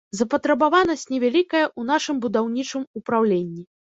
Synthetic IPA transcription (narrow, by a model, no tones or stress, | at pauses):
zɐpɐt̪ɾɐbavanɐsʲtʲnʲɛvʲalʲikɐjɐʔun̪aʂɨmbud̪awnʲit͡ʂɨmupɾawlʲenʲːi